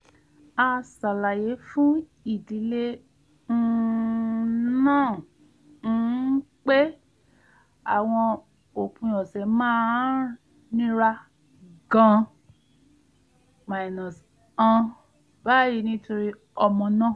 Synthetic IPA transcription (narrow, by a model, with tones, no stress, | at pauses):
a˧sa˨la˨je˨˦fũ˦ | i˦˨di˨˦le˦ | n̩˦ | nãː˦˨ | n̩˦k͡pe˦ | a˨w̃ɔ̃˧ | o˨kũ˧jɔ˨sɛ˨mãː˦ | nĩ˦ɾa˧ | ɡã˧ | ma˨i˨nɔ̃˨s | ã˧ | ba˦˨ji˧˦nĩ˦to˧ɾi˧ | ɔ˧mɔ̃˧nã˦˨